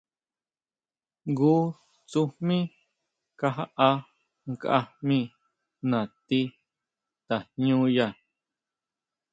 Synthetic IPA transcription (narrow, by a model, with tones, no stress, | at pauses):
ɡuː˦ | t͡su˧hmĩ˦ | ka˧ɦa˦ʔa˧ | ŋka̰˧mĩ˦˧ | nã˨t̪i˦ | t̪a˨ɲɲũː˦ja˧˨